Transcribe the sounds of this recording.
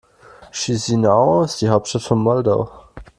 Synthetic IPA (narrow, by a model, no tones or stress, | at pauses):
ʃizinaʊɪsd̥iːɦaʊp̚tʃtatfɔnmɔldoʊ